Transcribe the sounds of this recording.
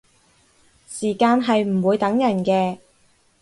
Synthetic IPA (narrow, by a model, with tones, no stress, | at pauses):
siː˨˩kaː˧nɦɐ˨jm̩˨˩wuː˨˧jt̪ɐ˨˥ŋjɐ˨˩nkɛː˧